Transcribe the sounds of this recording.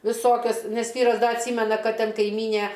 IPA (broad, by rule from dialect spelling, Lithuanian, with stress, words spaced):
ʋʲɪˈsoːkʲɛs ˈnʲɛs ˈʋʲiːrɐs ˈdɐ ɐtʲˈsʲiːmʲɛnɐ ˈkɐt ˈtʲɛn kɐɪˈmʲiːnʲeː